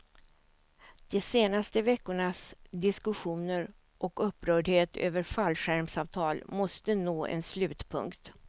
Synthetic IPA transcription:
d̪̥ɛseːnast̪əvɛkːʊɳasd̪ɪskɵɧuːnəɾ | ʔɔkɵpːɾœːɖheːt̪ʰø̰ːvəɾfalɧæɾmsɑːvt̪ʰɑːlmɔst̪ənoːʔɛ̰nslʉ̟ːt̪pʰɵ̰ŋkt̪

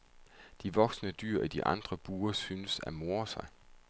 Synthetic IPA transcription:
d̥iʋɒ̽ɡ̥snəd̥y̰ɐ̰id̥iʔɑ̈nd̥ʁɐb̥uːɐsyːnəsæ̰mo̝ːɐsɑ̈ɪ

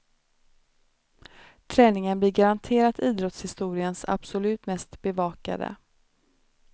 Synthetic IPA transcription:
t̪ʰɾɛːnɪŋənblɪɾɡaɾant̪ʰeːɾat̪ʰiːd̪ɾɔt̪shɪst̪uːɾɪənsa̰b̥sɔlʉ̟ːt̪mɛst̪bɛvɑːka̰d̪ə̰

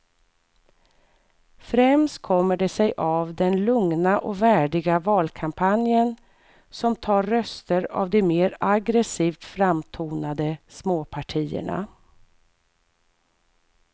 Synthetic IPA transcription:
fɾɛmst̪̚kʰɔmːəɖɛsɛjʔavd̪ɛnlɵŋnaʔɔvæːɖɪɡavɑːlkʰampʰanjən | sɔmt̪ʰɑːɾːœst̪əɾa̰vd̪ɪmeːɾaɡɾɛsiːft̪fɾamt̪ʰuːnad̪əsmoːpʰaʈʰiːə̰ɳa̰

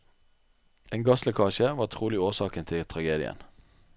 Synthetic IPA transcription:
ʔeːŋɡɑsləkʰɑːçəʋɑːt̪ʰʁuːlɪoːsɑːkənt̪ʰɪlt̪ʰʁɑɡeːd̪ɪ̰ə̰n

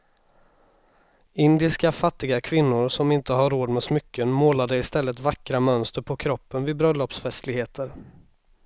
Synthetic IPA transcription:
ɪnd̪ɪskafat̪ːɪɡakʰvɪnːʊɾsɔmɪnt̪əɦaɾːoːd̪mɛsmʏkːənmoːlad̪əɪst̪ɛlːət̪vakːɾamœnst̪əɾpʰɔkʰɾɔpːənvɪbɾœlːɔpsfɛst̪lɪɡheːt̪ʰəɾ

